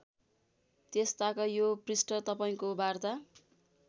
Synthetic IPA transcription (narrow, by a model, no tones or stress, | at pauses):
t̪est̪akajoprisʈʌrt̪ʌpaĩkobart̪a